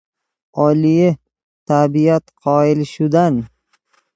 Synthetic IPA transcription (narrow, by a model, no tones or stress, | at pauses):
ɒlijɪ | t̪ʰabijat̪qʰɒɪlʃud̪an